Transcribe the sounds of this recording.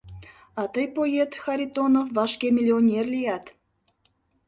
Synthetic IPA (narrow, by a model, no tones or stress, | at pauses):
ɑt̪ɤjpojet̪xɑɾʲit̪onofvɑʃkemʲilʲionʲerlʲijæt̪